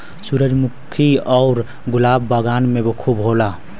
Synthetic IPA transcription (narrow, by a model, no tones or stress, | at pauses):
suɾəd͡ʒmukʰiɔːɾ | ɡulabːəɡanmebokʰubɦola